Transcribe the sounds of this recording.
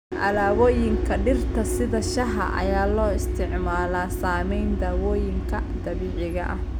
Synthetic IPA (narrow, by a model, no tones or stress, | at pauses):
ʔɐ̰laːwɔːjɪŋkʰɐɖɪrt̪ʰɐsɪðɐʃɐɦɐ̰ʔɐ̰jaːlɔːɪst̪ʰɪʕmaːlaːsaːmɛjnd̪aːwɔːjɪŋkʰɐd̪ɐβiːʕɪɣɐʔɐh